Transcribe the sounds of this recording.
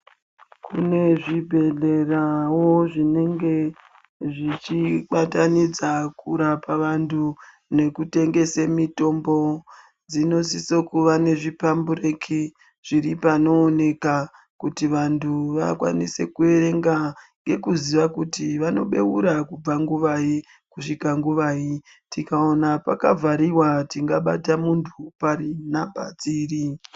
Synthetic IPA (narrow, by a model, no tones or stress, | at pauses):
kune̞ʐibʱe̞ɮe̞rawo̞ʐine̞ŋɡe̞ | ʐit͡ʃiɓatanid͡zakuɾapaʋantʰu | ne̞kute̞ŋɡe̞semito̞mbo̞ | d͡zino̞sisokuʋane̞ʐipambuɾekʰi | ʐ̥iɾipano̞ːne̞ka | kutiʋantʰuʋakwa̰nise̞kue̞ɾe̞ŋɡaŋɡe̞kuziʋakutiʋano̞ɓe̞uɾakub͡vaŋɡuʋai | kuʂikaŋɡuʋaːi | tikao̞napakavaɾiwatiŋɡaɓatamuntʰupaɾinambʱa̰d͡ziːri